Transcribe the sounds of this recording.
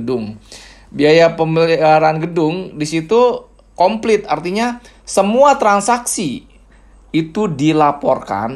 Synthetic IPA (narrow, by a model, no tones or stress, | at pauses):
dʊŋ | biajapəməliɾanɡədʊŋdisit̪u | kɔmplɪt̪̚art̪iɲa | səmuat̪ɾansaksiː | t̪udilapɔrka̰n